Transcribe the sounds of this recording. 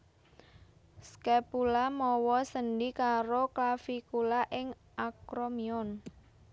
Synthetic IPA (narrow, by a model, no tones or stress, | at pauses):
skɛpulamɔwɔsənɖikaɾoklafikulaʔɪŋ | akɾomiɔn